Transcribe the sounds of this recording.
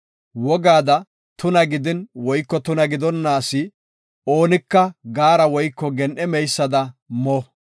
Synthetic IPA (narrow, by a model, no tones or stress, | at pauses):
wɔɡaːd̪ɐ | t̪ʊnɐɡɪd̪ɪnwɔjkːɔt̪ʊnɐɡɪd̪ɔnːaːsɪ | o̞ːnɪkːɐɡaːɾɐwɔjkːɔɡɛnʔɛmɛjsːɐd̪ɐmɔ